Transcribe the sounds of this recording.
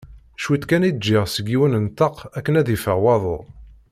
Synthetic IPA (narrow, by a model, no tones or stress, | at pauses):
ʃwit̪kænid̪d͡ʒːɪʁsəɡiwənənt̪ɑqækːənæðifəʁwɑðˤo̰ʁ